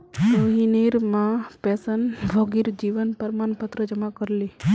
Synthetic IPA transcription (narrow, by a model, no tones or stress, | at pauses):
t̪oɦiniɾmãpesənbʱoɡiɾd͡ʒiʋənpəɾmanpət̪ɾəd͡ʒəmakəɾli